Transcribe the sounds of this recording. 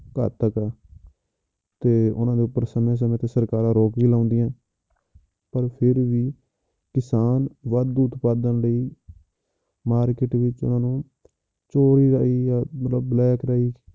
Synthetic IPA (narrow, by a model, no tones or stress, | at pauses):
kə̰ːt̪əkɛː | t̪eːʊ̰nãːd̪eːʊpːəɾsəmẽːs̬əmẽːt̪eːsəɾkaːɾãːɾoːkbiːlaːʊnd̪iːɛ̃ː | pəɾpʰɪɾʋiː | kɪsaːnʋəd̪uʊt̪paːd̪ənləiː | maːɾkɪʈʋɪt͡ʃʊ̰nãːnũː | t͡ʃoːɾiːɾaːiːjaːmət̪ləbːlɛːkɾaːiː